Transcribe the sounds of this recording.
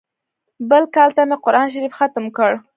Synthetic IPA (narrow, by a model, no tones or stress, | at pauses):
bəlkɑlt̪ameqʊɾɑnʃ̬aɾifxat̪mkəɽ